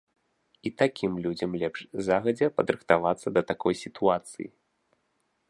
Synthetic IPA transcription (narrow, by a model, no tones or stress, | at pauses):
it̪akʲimlʲud͡zʲɐmlʲɛpʂzaɣɐd͡zʲɛpɐd̪ɾɨxt̪avat̪sːɐd̪ɐt̪akʰɔjsʲit̪ʰuat̪sɨ̰jḭ